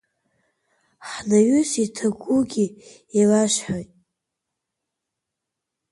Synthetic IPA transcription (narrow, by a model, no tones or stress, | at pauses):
ħnaɥʏsitʰaɡʷuɡʲi | ilaʃħojtʼ